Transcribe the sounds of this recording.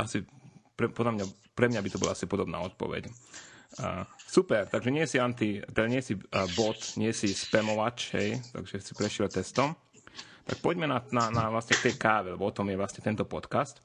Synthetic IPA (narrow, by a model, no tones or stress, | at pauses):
ʔasipɾɛpɔd̪lamɲa | pɾɛmɲabit̪ɔbɔ̰laasipɔd̪ɔbna̰ːɔt̪̚pɔ̰ʋɛ̰cː | supɛɾt̪aɡʒɛɲɪɛjɛsiant̪it̪ɛd̪aɲɪɛjɛsibɔt̪ɲɪɛsispɛmɔʋat͡ʃɦɛ̰jt̪a̰ɡʒɛsipɾɛʃlɛt̪ɛst̪ɔm | t̪a̰k̚pɔɟmɛnananaʋlasɲɛkt̪ɛjkaːʋɛlɛbɔɔt̪ɔmjɛʋlasɲɛt̪ɛnt̪ɔpɔt̪kast̪